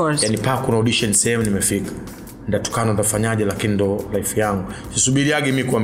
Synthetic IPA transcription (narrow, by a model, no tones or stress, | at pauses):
janipakunaɔɗiʃɔnisɛhɛmunimɛfikḁ | ndatɔ̥kanaɔndafaɲaʄɛlakinindɔlaifijaŋɡusisuɓiɾiaɡɛmikuam